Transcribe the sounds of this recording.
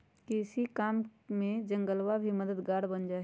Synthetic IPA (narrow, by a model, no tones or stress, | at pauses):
kiɪsikaːmmẽd͡ʒə̃ŋɡəlwabʱiməd̪əd̪ɡaːɽbənd͡ʒaː